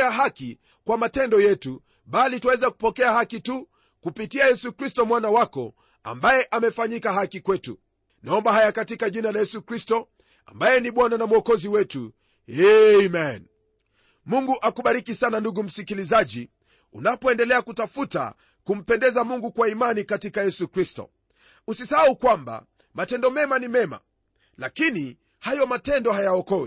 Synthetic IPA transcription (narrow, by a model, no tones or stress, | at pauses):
aɦaki | kwamatɛndɔjɛtu | ɓalitwawɛzaku̥pɔkɛahakitu | kupitiajɛsukɾistɔmwanawakɔ̰ | a̰mbajɛʔamɛfaɲikaɦakikwɛtṵ | naɔmbaɦajakatikaʄinalajɛsukɾistɔ | a̰mbajɛniɓwananamuɔkɔziwɛtṵ | ɛmɛn | muŋɡuʔakuɓaɾikisananduɡum̩sikilizaʄi | ṵnapɔɛndɛlɛakutafuta̰ | kum̩pɛndɛzamuŋɡukwaimanikatikajɛsukɾistɔ̰ | usisahaukwamba̰ | matɛndɔmɛmanimɛma̰ | lakini | hajɔmatɛndɔhajaɔkɔwḭ